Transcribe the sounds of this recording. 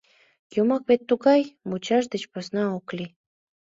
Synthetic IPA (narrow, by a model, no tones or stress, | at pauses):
jumɑkβet̪ːuɣɑjmut͡ɕɑʃd̪ət͡ɕposnɑokli